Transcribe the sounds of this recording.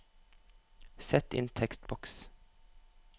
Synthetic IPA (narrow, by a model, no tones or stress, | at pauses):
sɛt̪ɪ̰nt̪ʰɛkst̪bɔks